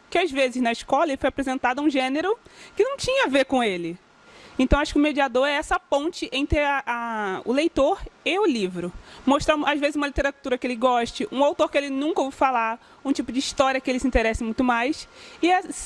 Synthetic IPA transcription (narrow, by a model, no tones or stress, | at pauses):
kɪazvezɪznɐɪʃkɔlɐelɪfojapɾezẽnt̪ad̪ʊũʒẽneɾʊkɪnɐ̃w̃t͡ʃĩɲɐavekõelɪ | ẽnt̪ɐ̃w̃aʃʊ̥kɪʊmed͡ʒiad̪oɾɛɛsɐpõnt͡ʃɪʔẽnt̪ɾɪaʔaʊ̰lejt̪oɾɪʊlivɾʊmoʃt̪ɾãazvezɪzumɐlit̪eɾat̪uɾɐkɪelɪɡɔʃt͡ʃɪʔũawt̪oɾkɪelɪnũŋkɐofala | ũt͡ʃipʊd͡ʒɪiʃt̪ɔɾiɐkɪelɪsĩnt̪eɾɛsɪmũj̃t̪ʊmajsɪɛs